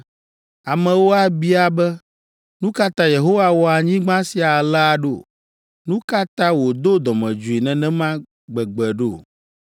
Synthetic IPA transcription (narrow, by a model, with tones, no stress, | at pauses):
a˨mɛ̃˨wo˦a˦bi˦a˨bɛ˦ | nũ˦ka˦t̪ã˦je˨ɦo˦wa˦wɔ˦a˨ɲĩ˦ɡ͡bã˦si˨a˨la˦a˨ɖo̰˦˨ | nũ˦ka˦t̪ã˦wo˨d̪o˦d̪ɔ˨mɛ̃˨d͡ʒu˨i˨nɛ̃˨nɛ̃˦mã˦ | ɡ͡bɛ˨ɡ͡bɛ˨ɖo˦˨